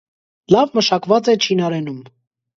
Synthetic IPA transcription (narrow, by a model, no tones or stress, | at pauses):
lɑvməʃɑkvɑt͡sɛt͡ʃʰinɑɾɛnum